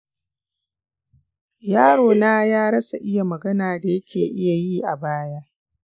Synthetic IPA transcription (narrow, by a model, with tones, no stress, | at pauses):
jaː˦ɽoː˨naː˦jaː˦ɽɐ˦sa˨ʔɪ˦ja˨mɐ˨ɡɐ˦naː˨da˨jɐ˦kʲʰeː˨ʔɪ˦ja˨jiː˦ʔa˨baː˦jaː˦